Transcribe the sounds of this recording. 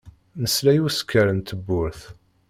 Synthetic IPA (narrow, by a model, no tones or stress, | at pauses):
nəslæjuskʰːəɾənt̪əbːʊɾθ